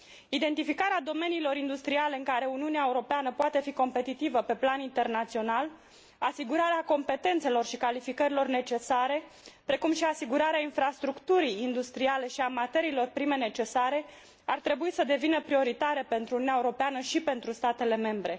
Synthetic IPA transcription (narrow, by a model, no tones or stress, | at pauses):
id̪e̞nt̪ifikaɾead̪o̞me̞niːlo̞ɾind̪ust̪ɾiale̞ɨŋkaɾe̞uniuneaeuɾo̞peanəpoat̪e̞fiko̞mpe̞t̪it̪ivəpe̞planint̪e̞rnat̪sio̞nal | asiɡuɾaɾeako̞mpe̞t̪e̞nt̪se̞lo̞rʃikalifikəɾilo̞rne̞t͡ʃe̞saɾe̞ | pɾe̞kumʃiasiɡuɾaɾeainfɾast̪ɾukt̪uɾijːnd̪ust̪ɾiale̞ʃiamat̪eɾiːlo̞rpɾime̞ne̞t͡ʃe̞saɾe̞ | art̪ɾe̞buisəd̪e̞vinəpɾio̞ɾit̪aɾepe̞nt̪ɾununeaeuɾo̞peanəʃipe̞nt̪ɾust̪at̪e̞le̞me̞mbɾe̞